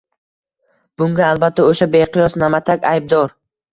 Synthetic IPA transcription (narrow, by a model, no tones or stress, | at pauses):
b̥ʊŋɡʲaːlˠbat̪ʰːaoʃabeqɨjɒsnamat̪ʰakʲajb̚d̪ɒɾ